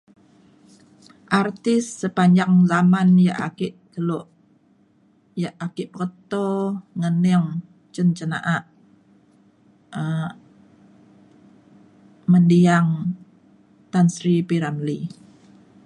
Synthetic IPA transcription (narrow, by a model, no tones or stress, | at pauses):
ʔart̪ɪsːəpaɲd͡ʒaŋzamanja̰ʔakɪʔkəlɔʔ | jaʔakɪʔpəkət̪oŋənɛŋ | t͡ʃənt͡ʃəna̰ʔaʔ | ə | məndiaŋ | t̪ansɾipiɾamli